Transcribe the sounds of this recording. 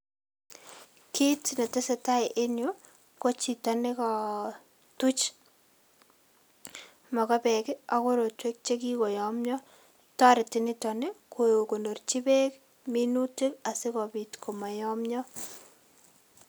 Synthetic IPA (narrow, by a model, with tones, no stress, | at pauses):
kʰi˦tne˨te˦se˦ta˦jʔe˦njo˦ | ko˦t͡ʃi˨ta˨ne˦kɔ˨ | tu˦t͡ʃ | mɔ˨kɔ˦pɛ˨kɪ˦a˦ko˦ɾo˨twe˦k̚t͡ʃe˦ki˦ko˨jɔ˨mɲɔ˦ | tɔ˦ɾɪ˨tɪ˦nɪ˦tɔ˨ne˦kʰo˨jo˨ko˨no˨rt͡ʃi˦be˦k | mi˦nu˦tɪ˦ka˨se˦kɔ˨bi˨tkʰo˨ma˨jɔ˦mɲɔ˦